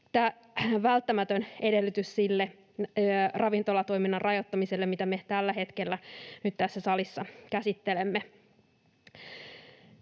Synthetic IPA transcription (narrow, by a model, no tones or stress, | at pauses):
t̪æː | ʋælt̪ːæmæt̪øne̞de̞lːyt̪yssilːe | rʔɑʋint̪o̞lɑt̪oiminːɑnrɑjot̪ːɑmiselːemmit̪æme̞t̪ælːæɦe̞t̪kelːænyt̪t̪æsːæsɑlisːɑkæsit̪ːelemːe